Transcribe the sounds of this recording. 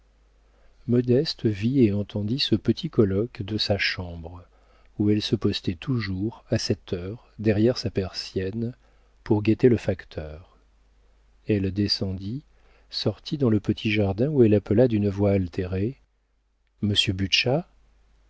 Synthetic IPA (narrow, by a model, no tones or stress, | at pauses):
mɔd̪ɛst̪vieɑ̃t̪ɑ̃d̪isəpət̪ʰikɔlɔkd̪əsaʃɑ̃bʁ | uɛlsəpɔst̪ɛt̪ʰuʒuʁasɛt̪ʰœʁ | d̪ɛʁjɛʁsapɛʁsjɛn | puʁɡet̪eləfakt̪ʰœːʁ | ɛld̪esɑ̃d̪i | sɔʁt̪ʰid̪ɑ̃ləpət̪ʰiʒaʁd̪ɛ̃uɛlapəlad̪ynvwaːlt̪ʰeʁe | məsjøbyʃa